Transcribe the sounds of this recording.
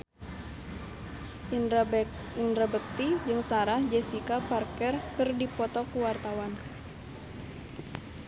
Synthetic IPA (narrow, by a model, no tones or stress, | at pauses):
indɾabək̚t̪id͡ʒɨŋsaɾahd͡ʒɛsikaparkɛrkɨrdipɔt̪ɔkuwart̪awan